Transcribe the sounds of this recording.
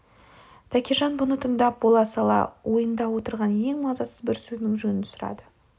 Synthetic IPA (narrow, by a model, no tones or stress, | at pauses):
t̪ʰækʲeʒɑnbʊnət̪ʰənd̪ɑp̚bolˠɑsɑlˠɑ̰wʔo̞jənd̪ɑwo̞t̪əɾʁɑnje̞ŋmɑzɑsəzbɪɾsɵznɪŋʒɵnɪnsʊɾɑ̰d̪ə